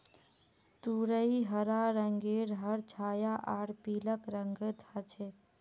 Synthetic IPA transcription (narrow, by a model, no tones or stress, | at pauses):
t̪uɾəiɦəɾaɾəŋɡeɾɦəɾt͡ʃʰaːjaʔaːɽpiːləkɾəŋɡəd̪ʱat͡ʃʰe